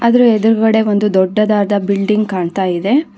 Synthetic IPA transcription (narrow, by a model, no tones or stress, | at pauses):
ɐd̪ɐɾued̪ɐɾuɡɐɽe̞ʋo̞nd̪ud̪ɔɖːɐd̪aːɾɐd̪ɐbilɖiŋɡkaːɳt̪aːjid̪e̞